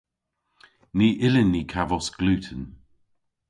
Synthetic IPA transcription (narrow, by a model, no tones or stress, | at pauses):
niːʔɪlənːiːkʰavɔsɡ̥lʉːtʰən